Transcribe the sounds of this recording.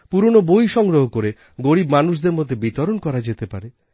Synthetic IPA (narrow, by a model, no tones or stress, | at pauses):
puɾonobojʃɔŋɡɾoɦokoɾe | ɡoɽibmanuʃ̬d̪eɾmod̪ʱebit̪ɔɾonkɔɾad͡ʒet̪epaɾe